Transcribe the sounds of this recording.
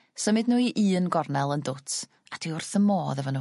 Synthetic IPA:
səmɨdnuːiʔɨːənɡɔrnɛlˠəndʊtʰ | ad̥iʊrθəmoːðɛvɔnuː

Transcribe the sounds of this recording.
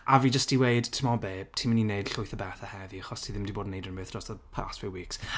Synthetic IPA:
ʔavid͡ʒəstiwejd̥tʰəmɔbe̥ːtʰimənineɨd̥ɬʊɨθəbɛθəhɛviaχɔstʰiðɪ̃mdiboːdn̩nejdənbəθd̥rɔsðəpʰa̰ːstfjuːwiːks

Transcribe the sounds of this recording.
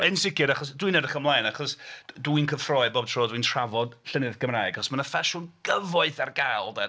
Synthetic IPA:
ɛnsɪkɨɾaχɔsdwinədəχəmlˠajnaχɔsduinkʰəfrɔɨbob̚tʰroːdwintʰr̥avɔd̥ɬənɨðɡəmraːɨɡaχɔsmanəfaʃʊnɡ̥əvɔɨθarɡalˠdɛ

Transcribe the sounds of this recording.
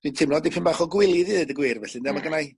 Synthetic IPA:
d̥wintʰɪmlɔdipʰɪnbaχɔɡwɪlˠɨðɨðɨdəɡwɪːrvɛɬɨndamaɡənaj

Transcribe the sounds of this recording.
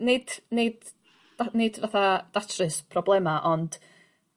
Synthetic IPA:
nɪd̥ned | anɪdvaθad̥atʰrɨspʰrɔblˠɛmaʔɔnd̥

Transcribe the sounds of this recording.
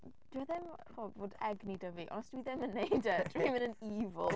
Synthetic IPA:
d̥waðɛmχɔvoːdɛɡnidəviʔɔ̰nɔsd̥wiːðɛmənːejdəd̥rwiːmənəniːvəlˠ

